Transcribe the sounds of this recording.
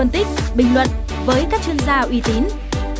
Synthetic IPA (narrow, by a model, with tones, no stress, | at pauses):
ə˧nt̪i˦˥k̚ɓï˨˩ŋ̟lwə̰˨n | vəː˨˦jkaː˦˥k̚t͡ɕwi˧ənzaː˧ʔwi˨˦t̪i˨˦n